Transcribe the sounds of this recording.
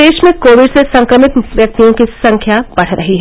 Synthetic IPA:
eːʃmẽkoːʋɪɖsesɐ̃ŋkɾəmɪt̪ʋjɐk̚t̪ijõkisɐ̃ŋkʰjab̥ɐɽ̤ɾɐɦiɦɛ

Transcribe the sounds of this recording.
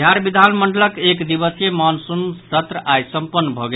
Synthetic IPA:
jaɾbid̪ʱanməɳɖələkekd̪ibəsjemansumsət̪ɾəʔajsəmpənːbʱɔɡe

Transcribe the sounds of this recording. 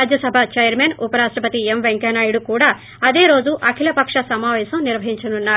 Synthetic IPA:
aːd͡ʒjɐsɐbʱat͡ʃɐjɐɾmeːnupɐɾaːʂʈɾɐpɐt̪iemʋeŋkenaːjuɽukuːɽaː | ɐd̪e̞ːɾo̞ːd͡ʒuʔɐkʰilɐpɐkʂɐsɐmaːʋɛːʃɐmniɾʋɐɦiɲt͡ʃɐnunːaː

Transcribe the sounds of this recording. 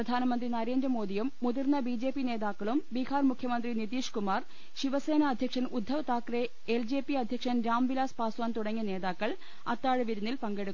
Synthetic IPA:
prɐd̪ʱaːnɐmɐnd̪rinɐɾeːnd̪rɐmo̞ːd̪ijumːuðirnːɐbiːd͡ʑe̞ːpːine̞ːðaːkːɐɭumbikaːrmukʰjɐmɐnd̪rinit̪iːʂkumaːr | ɕiʋɐse̞ːnɐːd̪ʱjɐkʂɐnud̪ʱːɐʋɐt̪aːkre | eld͡ʑe̞ːpːiɐd̪ʱjɐkʂɐnɾaːmʋilaːspaːswaːnt̪uɽɐŋːine̞ːðaːkːɐɭ | ɐt̪ːaːɻɨʋiɾunːilpɐŋɡe̞ɽukː

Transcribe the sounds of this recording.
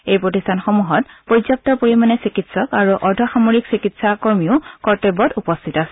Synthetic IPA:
ejpɹotistʰanxomuɦɔt̚pozjap̚tɔpoɹimanɛsikitsɔkaɹuʔɔɹdʱɔxamoɹiksikitsakoɹmiʊkɔɹtebɔtupɔstʰitasɛ

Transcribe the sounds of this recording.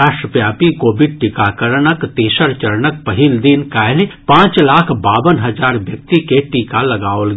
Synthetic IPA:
aːʃʈɾəpjaːpikoːbɪɖ̚ʈɪkaːkəɾɳəkt̪eːʃəɾt͡ʃɐɾnək̚pɐɦɪld̪ɪnkaːlpãːt͡ʃlaːkʰbaːʋənɦɐzaːɾʋjɐk̚t̪ikeʈiːkalɐɡaːolɡ

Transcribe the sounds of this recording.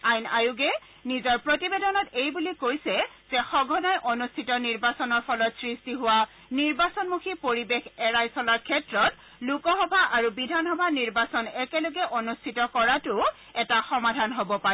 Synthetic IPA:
ajnajuɡɛ | nizɔɹpɹotibedɔnɔtejbulikojsɛ | z̥ɛxɔɡʱɔnajʔonustʰitɔniɹbasɔnɔɹpʰɔlɔtsɹistiɦʊwa | niɹbasɔnmukʰipoɹibexɛɹajsɔlaɹkʰɛtɹɔt | lukɔxɔbʱaʔaɹubidʱanxɔbʱaniɹbasɔnɛkɛloɡɛʔonustʰitɔkɔɹatʊ | ɛtaxɔmadʱanɦobɔpaɹɛ

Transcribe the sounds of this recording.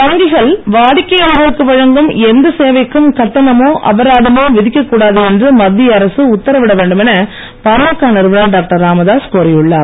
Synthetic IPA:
p̪ɐŋɡɪɣɐɭʋaːɽɪkːɐjɐːɣɐɾɯkːɯʋɐɻɐŋɡɯmɛnd̪ɐseːʋɐɪkːɯmkɐʈːɐnɐmoːʔɐ̰ʋɐɾaːðɯmoːʋɪðɪkʲːɐkːuːɽaːðɯɛndrɯmɐd̪ːɪjɐɾɐsɯʊt̪ːɐɾɐʋɪɽɐʋeːɳɖɯmɛnɐ | pɐɾɐmɯkːaːnɐɪɾɯʋɐnɐɭɖaːk̚ʈɐɾaːmɐðaːskoːɾɪjɯɭːaːɾ

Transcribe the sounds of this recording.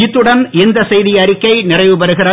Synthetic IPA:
ɪt̪ːɯɽɐnɪnd̪ɐsɛjðɪjɐɾɪkːɐɪnɪrɐɪʋɯpɐɾɯɣɪrɐ

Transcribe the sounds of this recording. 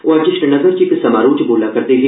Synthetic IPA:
ʔod͡ʒɪʃʈənɐɡəɾt͡ʃiksɐmaːɾuːt͡ʃboːlakɐɾt̪eɦi

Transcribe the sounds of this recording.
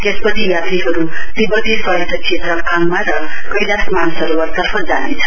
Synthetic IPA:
t̪espʌt͡sʰijat̪ɾiɦʌɾut̪ibʌd̪ʱisʌit̪ʌt͡sʰet̪ɾʌpʰaŋmaɾʌkʌjdasmanusʌɾuʌt̪ʌrpʰʌd͡zanḛjt͡sʰʌ

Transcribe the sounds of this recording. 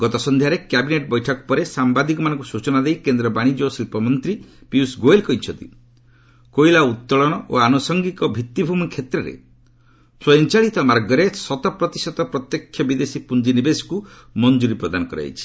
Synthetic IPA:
ɡɔt̪ɔsɔnd̪ʱjaɾekjabineʈ̚bɔjʈʰɔkɔ̥pɔɾesambad̪ikɔmanɔ̃ŋkusut͡ʃɔnad̪ejkend̪ɾɔbaɽ̃id͡ʒosilpɔmɔnt̪ɾipiusɡoelkɔit͡ʃʰɔnt̪ḭ | kojlaut̪ːɔɭɔɽ̃ɔʔo̰anosɔŋɡikɔbʱit̪ːibʱumikʰet̪ɾɔɾḛ | sɔjɔnt͡ʃaɭit̪ɔmaɾɡɔɾesɔt̪ɔpɾɔt̪isɔt̪ɔpɾɔt̪jɔkʰjɔbid̪esipund͡ʒinibesku | mɔnd͡ʒuɾipɾɔd̪anɔkɔɾa̰t͡ʃʰi̥

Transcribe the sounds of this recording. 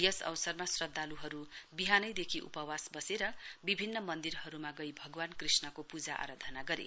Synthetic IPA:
jʌsʌ̰wʌsʌrmasrʌd̪ʱːaluɦʌɾubiɦanʌjd̪ekʰiʔṵpʌwasbʌseɾʌbibʱinːʌmʌnd̪iɾɦʌɾumaɡʌjbʱʌɡwankrisnʌkopud͡zaʔa̰ɾad̪ʱʌnaɡʌɾḛ

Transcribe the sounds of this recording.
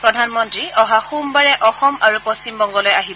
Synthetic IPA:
pɹɔdʱanmɔntɹiɔɦaxumbaɹɛʔɔxɔmaɹupɔst͡ʃimbɔŋɡɔlɔjaɦibɔ

